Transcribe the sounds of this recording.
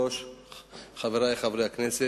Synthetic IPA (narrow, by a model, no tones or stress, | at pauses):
oʃ | χaveɾajχavɾejhaknese